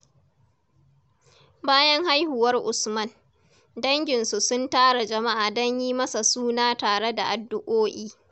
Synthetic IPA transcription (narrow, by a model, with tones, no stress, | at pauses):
baː˦jɐ˦ŋɦa˦jhʊ˨wɐ˦rʔʊ˨smɐ˦n | dɐ˦ŋɡʲɪ˨nsu˨sʊ˦ntaː˦ɽa˨d͡ʒɐ˨ma˦ʔaː˨dɐ˦ɲjiː˦mɐ˦sa˨suː˦naː˦taː˨ɽe˦da˨ʔa˨dːʊ˨ʔoː˦ʔiː˦